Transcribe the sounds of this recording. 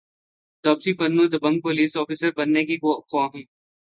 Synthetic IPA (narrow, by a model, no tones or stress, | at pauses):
t̪ɔːpsipɐnnːod̪əbɐ̃ŋɡ̚poliːsɔːfɪsəɾbɐnːekikokãːɦĩː